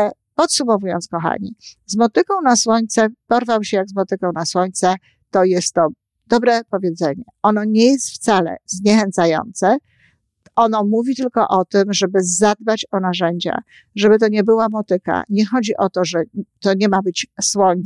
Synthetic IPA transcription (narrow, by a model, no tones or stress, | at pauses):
pɔt̪sumɔvujɔ̰nt̪skɔxa̰ɲḭzmɔt̪ɘkɔ̃w̃naswɔɲt̪sɛpɔɾvawɕɛjaɡzmɔt̪ɘkɔ̃w̃naswɔɲt̪sɛ | t̪ɔjɛst̪ːɔ | d̪̥ɔbɾɛpɔvʲjed̪zɛɲɛɔnɔɲejɛst̪ft̪salɛ̰vzɲɛxɛnt̪sajɔ̰nt̪sɛ | ɔnɔmuvʲit̪ɘlkɔʔɔt̪ɘmʐɛbɘzad̪̚bat͡ɕɔnaʐɛɲd͡ʑa̰ | ʐɛbɘt̪̬ɔɲɛbɘwamɔt̪ɘka̰ɲɛxɔd͡ʑiʔɔt̪ɔʐɛt̪ɔɲɛmabɘt͡ɕswɔɲ